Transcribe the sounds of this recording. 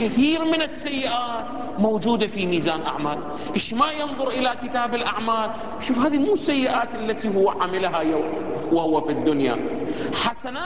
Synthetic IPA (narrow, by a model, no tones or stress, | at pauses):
kɪθiːɾmɪnɪsːajːɪʔaːt̪ | mowd͡ʒuːd̪afimiːzaːnʔa̰ʕmaːl | ʔɪʃmajɨnðˤʊɾʔɪlakɪt̪aːbɪlʔaʕmaːl | ʃuːfhaːðimuːsːajːɪʔaːt̪ʔalːat̪iɦʊwːʕamɪlɦajwahʊwːafid̪ːʊnja̰ħasanaː